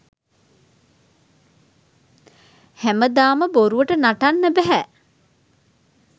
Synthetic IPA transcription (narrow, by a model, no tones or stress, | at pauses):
hæməd̪aːməboɾuʋəʈənaʈanːəbæɦæ